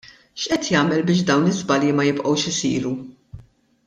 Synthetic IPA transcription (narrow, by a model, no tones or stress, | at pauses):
ʃʔɛt̪jɐːmɛlbɪːʃ̬d̪ɐwnɪzbɐljimɐjɪpʔɐwʃɪsḭːɾu